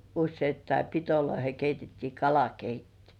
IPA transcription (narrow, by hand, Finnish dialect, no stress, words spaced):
usːeitːɑi pitoloihe keitetːiː kɑlɑkeitːi